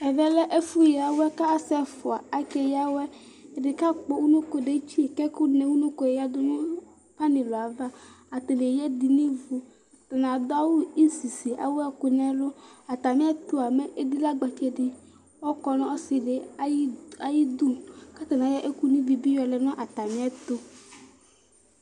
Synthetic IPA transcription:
ɛ˨vɛ˦lɛ˦ʔe˦fu˦ja˨wɛ˦ka˦a˦sɛ˦fʊ˨a˨a˨kɛ˨ja˦wɛ˦˨ | ɖe˨ka˦k͡po˨wu˦nũ˦ko˨ɖe˨˦t͡ʃi˦˨kɛ˦ku˦nɛ̃˨wu˦nũ˦ko˦e˨ja˦d̪ʊ˦nʊ̃˦ | pa˦nĩ˨lo˨a˨va˦ | a˨t̪o˨nẽ˨jɛ˦d̪i˨nĩ˦vu˨ | t̪a˨nã˨d̪ʊ˦a˦wu˦i˦si˨si˨ʔa̰˨wɛ˦˨kʊ˨nɛ̃˦lʊ˦a˨t̪a˨mĩ˦a˦t̪o˦a˨me˦ʔe˦d̪i˦la˦ɡ͡ba˨t͡ʃɛ˦ɖɪ˦ | wɔ˦kɔ˦nɔ̃˦ɔ˦sɪ˨ɖe˨˦a˨ji˦d̪u˦ka˦t̪a˨nã˨jɛ˦ʔe˦ku˦nĩ˦vi˨bi˦jɔ˨lɛ˨nɔ̃˦ʔa˨t̪a˨mĩ˦a˦t̪o˦

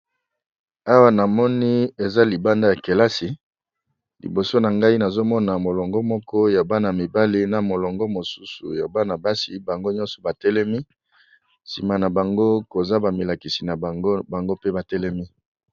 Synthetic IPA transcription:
a˦wa˦na˨mɔ˦ni˦e˨za˦li˨ba˦nda˦ja˨ke˨la˦si˨ | lḭ˨bo˨so˦na˨ŋɡa˦i˦na˨zo˦mɔ˦na˨mo˨lɔ˨ŋɡɔ˦mɔ˦kɔ˦ja˨ba˦na˨mi˨ba˦li˦na˨mo˨lɔ˨ŋɡɔ˦mo˨su̥˦sṵ˨ja˨ba˦na˨ba˦si˨ba˨ŋɡo˦ɲɔ̃˦nsɔ̥˨ba˨tɛ˦lɛ˦mi˦ | sḭ˨ma˨na˨ba˨ŋɡo˦ko˨za˦ba˨mi˨la˨ki˨si˨na˨˦ba˨ŋɡo˦pe˦ba˨tɛ˦lɛ˦mi˦

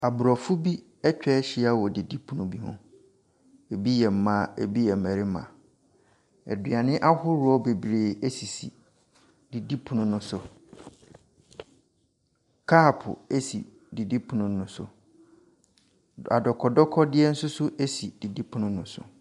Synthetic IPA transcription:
a˨bʊ˨ɾɔ˨fu˦bi˦ | ɛ˦t͡ɕᶣɛ˦ɕi˦a˦wɔ˨di˨di˦pʰu˨nʊ̃˨bi˦ɦʊ̰̃˦ | e˨bi˦jɛ˨m̩˦mã˦˨e˨bi˦jɛ˨m̩˨æ˨ɾɪ˦mã̰˨ | ɛ̰˨dɥa˨nɪ̃˦ʔa˦hʊ˦ɾʊ˦ɔ˦be˨bɾeː˨e˦si˨sḭ˨ | d̥i˨di˦pʰũ˨nʊ̃˦nʊ̃˦sʊ˨ | kʰa˦˨pʰʊ̰˨e˦sḭ˨ | di˨di˦pʰu˨nʊ̃˦nʊ̃˦sʊ̰˨ | a˨dɔ˨kʰɔ˨dɔ˦kʰɔ˦dɪ˦ɛ˦n̩˦sʊ˦sʊ˦ʔe˦si˨d̥i˨di˦pʰu˨nʊ̃˦nʊ̃˨sʊ̰˨

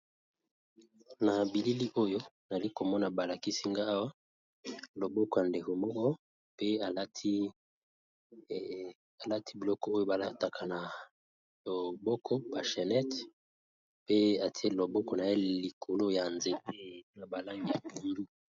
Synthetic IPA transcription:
na˨bi˨li˦li˦ʔo˦jo˦n˨li˦ko˨mɔ˦na˨ba˨la˨ki˦si˦ŋɡa˦a˦wa˦ | lo˨bɔ˦kɔ˨ja˨nde˨ko˨mɔ˦kɔ˦ | pe˦a˨lti˦ | a˨la˦tʰi˦bi˨lɔ˦kɔ˦o˦jo˦ba˨la˦ta˨kʰa˨na˨ | o˨bɔ˦kʰɔ˦b̥a˨ʃɛ˨nɛ˦t | pe˦a˨ti˦e˦˨lo˨bɔ˦kɔ˨na˨e˦li˨kʰo˨lo˦ja˨nze˨pe˦˨˦na˨ba˨la˦ŋɡi˨ja˨bu˨ndu˦

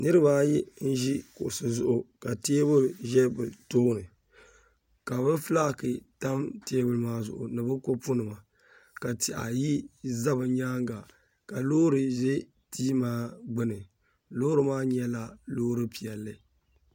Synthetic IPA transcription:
nɨ˦ɾɨ˦baː˦ji˦n̩˦ʒi˦kʊ˨ʔʊ˨sɨ˨zʊ˨ʔʊ˨ka˨te˦bɨ˦ʒɛ˦bɨ˨toː˦nɨ˨ | ka˨bɨ˦fla˦˨kɨ˨ta˦mteː˦bɨ˦lɨ˦maː˦zʊ̰˨ʔʊ̰˨nɨ˨bɨ˦ko˦pʊ˦nɨ˨ma˨ | ka˨ti˨ʔa̰˨ji˦za˦bɨ˨ɲaː˦ŋɡa˨ | ka˨loː˦ɾɨ˨ʒɛ˦ | tiː˦maː˦ɡ͡bɨ˦nɨ˨ | loː˦ɾɨ˨maː˦ɲɛ˦la˨loː˦ɾɨ˦pi˨ɛ˨lːɨ˨

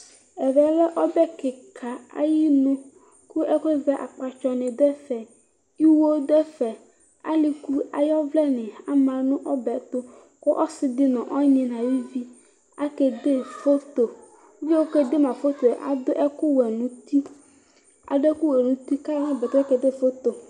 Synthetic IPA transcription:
ɛ˨vɛ˨lɛ˦ʔɔ˦bɛ˦ke˨kʰa˨a̰˦ji˦nũ˦ | ku˦ʔɛ˦ke˦vɛ˦ʔa̰˨k͡pa˨t͡ʃɔ˨nɛ̃˨d̪ɛ˦fɛ˨ | i˦wo˦d̪ɛ˦fɛ˨ | a̰˦li˨ku˦a̰˨jɔ˦vlɛ˦nɛ̃˨a˦mã˨nũ˦ʔɔ˦bɛ˨t̪o˦ | ko˦ʔɔ˦sɪ˨d̪ɪ˦nɔ̃˨ʔɔ˦ɲẽ˨nã˨wi˦vi˦ | a˦ke˨d̪e˦fo˦t̪o˨˦ | vi˦wo˦ke˦d̪e˦mã˨fo˦t̪o˨ʔa̰˨d̪o˦ʔɛ˦ku˦wɛ˨nũ˨t̪i˦ | a̰˨d̪ɛ˦ku˦wɛ˨nũ˨t̪i˦ka˦nã˦bɛ˨t̪o˦a˦ke˨d̪e˦fo˦t̪o˨

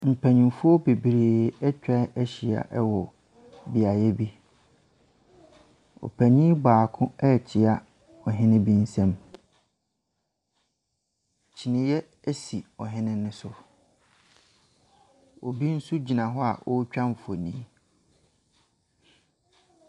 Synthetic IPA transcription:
m̩˨pʰæ˨ɲĩ˨mfʊ˦ɔ˦be˨bi˨ɾeː˨ɛ˦t͡ɕᶣa˦ʔɛ˦ɕi˨a̰˨ʔɛ˦wɔ˨ | bi˨a˨jɛ˦bi˦ | ɔ̰˨pʰæ˨ɲĩ˦baː˨kʰʊ̃˦ɛ˦˨t͡ɕʰɪ˨a˨ | ɔ˨ɦɪ̃˦nɪ̃˦bi˦n̩˦sɛ̃˦m | t͡ɕʰi˨nɪ̃˨jɛ˦ | æ˦si˨ɔ˨ɦɪ̃˦nɪ̃˦nːʊ̃˦sʊ˨ | o̰˨bi˦n̩˦su˦d͡ʑi˨nã˨ɦɔ˦a̰˨ʔo˦t͡ɕᶣã˦m˨fo˨nĩː˨˦

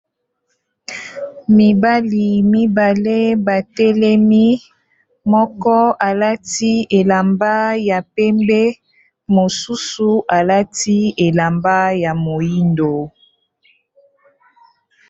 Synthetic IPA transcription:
mi˨ba˦li˨mi˦ba˨le˦ba˨tɛ˦lɛ˦mi˦ | mɔ˦kɔ˦a˨la˦ti˦e˨la˨mba˦ja˨pɛ˦mbɛ˦ | mo˨su˦su˨ʔa˨la˦ti˦e˨la˨mba˦ja˨mo˨ji˦ndo˨

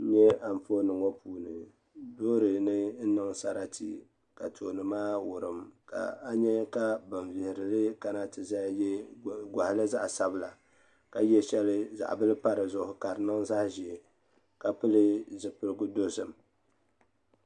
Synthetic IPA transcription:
ɲɛ˦a˨ɱ˨fo˦nɨ˨ŋo˦puː˨nɨ˨ | doː˦ɾɨ˨nɨ˦n̩˦nɨ˦ŋsa˦ɾa˦tḭ˨ | ka˨tʰo˨nɨ˨maː˦wʊ˨ɾɨ˨mka̰˨a˦ɲɛ˦ka˦bɨ˨ɱvɪ˨hɪ˨ɾɨ˨lɨ˦ka˦na˦tɨ˨za˦jɛ˦ɡʷa˨hlɨ˦za˦ʔsa˦bɨ˨la˨ | ka˨jɛ˦ʃɛ˦lɨ˦za̰˨ʔbɨ˦lɨ˦pa˦ɾɨ˨zʊ˦˨hʊ˨ka˨ɾɨ˨nɨ˦ŋza˦hʒi˨ɛ˨ | ka˨pɨ˦lɨ˦zɨ˨pɨ˦ɾɨ˦ɡʊ˦do˦sɨ˨m

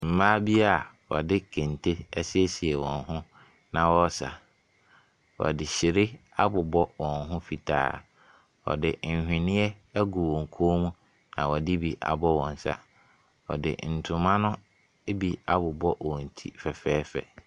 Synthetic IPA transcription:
m̩˨mãː˦bi˦a˨ | wɔ̰˨dɪ˦kʰẽ˨ntʰe˦ɛ˦sɪ˦ɛ˦si˨ɛ˨wɔ̰̃˨nɦʊ̃˦ | nã˨wɔ˦sa̰˨ | wɔ̰˨dɪ˨ɕɪ˨ɾɪ˦a˦bʊ˨bɔ˦wɔ̃˨nɦʊ̃˦fi˨tʰa̰ː˨˦˨ | ɔ̰˨dɪ˨n̩˨hᶣɪ̃˨nɪ̃˦ɛ˦æ˦ɡu˨wɔ̃˨ŋ̩˨kʰoː˦mũ˦ | nã̰˨wɔ˨dɪ˦bi˨ʔa̰˨bɔ˦wɔ̃˨n˨sa̰˨ | ɔ̰˨dɪ̰˨n̩˨tʰʊ̃˨mã˦nʊ̃˦ | bi˨a˦bʊ˨bɔ˦wɔ̃˨n̩˨tʰḭ˦fɛ˨fɛː˦fɛ̰˨

